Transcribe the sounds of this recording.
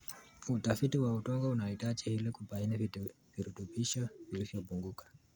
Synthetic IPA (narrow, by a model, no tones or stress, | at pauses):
utafitiwautɔŋɡɔunaitat͡ʃɛhilɛkupaini | viɾutuɓiʃavilivjɔpuŋɡukḁ